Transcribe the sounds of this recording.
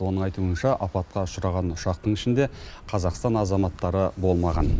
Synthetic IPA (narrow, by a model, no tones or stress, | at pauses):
wo̞nəɴɑjt̪uənʃɑʔɑpɑt̪̚qɑʊʃəɾɑʁɑnʊʃɑq̚t̪əɴɪʃɪnd̪e̞qʰɑzɑqst̪ɑnɑzɑmɑt̪ːɑɾəbo̞lˠmɑʁɑn